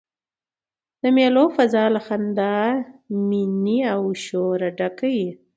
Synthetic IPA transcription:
d̪̥əmjelofazɑlaxand̪ɑ | miniawʃoɾaɖakaji

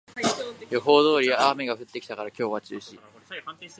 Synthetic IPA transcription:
joɦo̞ːd̪o̞ːɾʲijaaːme̞ɡaɸɯ̟t̪ːe̞kʲit̪akaɾakʲo̞ːβat͡ɕɨːɕi

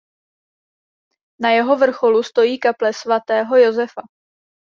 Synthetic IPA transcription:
najɛɦo̞vr̩xo̞lust̪o̞jiːkaplɛsvat̪ɛːɦo̞jozɛfa

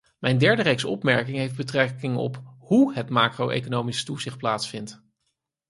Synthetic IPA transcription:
mɛjndɛɹdərejksɔpmɛɹkɪŋɦejfdbətrɛkɪŋɔ̰phuɦətmaːkrowʔḛjkonowmistuzɪχt̚plaːtsfɪnt

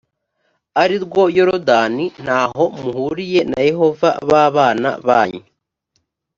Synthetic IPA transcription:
aɾiɾɡwo̞jo̞ɾodanin̥haːɦo̞muhuɾije̞na̰je̞ɦo̞va̰βaːβaːna̰βaːɲe

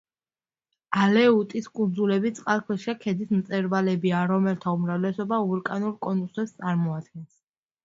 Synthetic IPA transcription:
alɛut̪ʼiskʼund̪zulɛbit̪sʼqʼalkʰwɛʃiakʰɛd̪ismt̪sʼɛɾvalɛbiaɾɔmɛlt̪ʰaumɾavlɛsɔbauɾkʼanuɾkʼɔnusɛpst̪sʼaɾmɔad̪ɡɛns

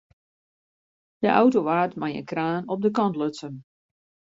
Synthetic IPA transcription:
d̥əʔa̰wtoʋaːtmajə̰nkraːnɔp̚dəkɑntløsən

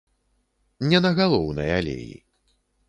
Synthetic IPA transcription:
nʲɛnɐɣalˠɔwnɐjalʲḛjḭ

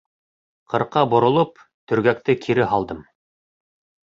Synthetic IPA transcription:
qʰɤ̆ɾqɑbŏɾŏlˠop | t̪ɵ̆ɾɡæk̚t̪ɘkʰiɾɘɦɑlˠd̪ɤm

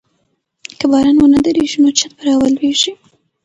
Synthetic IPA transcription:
kəbɑɾɑnwonad̪əɾeʒinot͡ʃat̪̚bəɾɑwəlweʒi

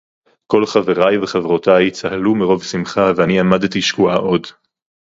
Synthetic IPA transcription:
ko̞lχaveʁajveχavʁotajt͡sahalumiʁo̞vsimχaveaniamadtiʃkuaʔo̞d

